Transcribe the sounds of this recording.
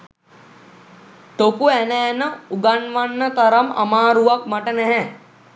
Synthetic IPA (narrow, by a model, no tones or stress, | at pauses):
ʈ̪okuɛnɛːnəuɡanʋanːət̪ɐɾəmɐ̰maːɾuʋakmɐʈənɛɦɛ